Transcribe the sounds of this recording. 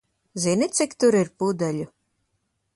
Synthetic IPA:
zinʲit̪sikt̪uɾiɾpud̪alʲu

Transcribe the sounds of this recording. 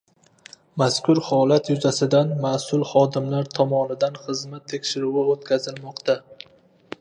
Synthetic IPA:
maskʰʊɾhɒlat̪jʊzasɪd̪anmasʊlˠχɒd̪ɪmlaɾt̪ʰɒmɒnɪd̪anχɨzmat̪ʰːekʲʃɪɾuwɪot̪kʲazɪlmɒqt̪ʰa

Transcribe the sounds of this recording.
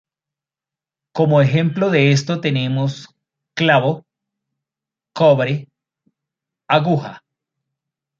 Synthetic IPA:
ko̞mo̞exẽ̞mploðees̬t̪o̞t̪e̞ne̞mos | klaβo | koβɾe | aɣuxa

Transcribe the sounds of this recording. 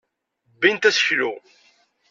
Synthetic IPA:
bːint̪æsə̥çlu

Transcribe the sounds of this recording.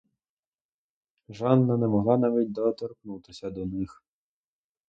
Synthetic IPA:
ʒɑnːɐnɛmɔɦlˠɑnɑʋʲitʲd̪ɔːt̪ɔrknut̪ɪsʲɐd̪ɔnɪx

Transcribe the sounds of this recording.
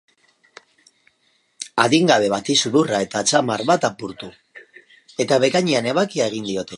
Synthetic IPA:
aðiŋɡaβe̞β̞at̪isuðurae̞t̪at͡samaɾβat̪apuɾt̪u | e̞t̪aβe̞kaɲiane̞βakiaeɣ̞ind̪io̞t̪e̞

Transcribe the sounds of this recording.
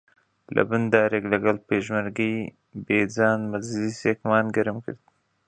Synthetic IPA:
lʔa̰bɪnd̪ɑːɾeɡlaɡalpeːʒmaɾɡij | beːd͡zɑːnmazlisekmɑːnɡəɾmkə̰ɾd̪

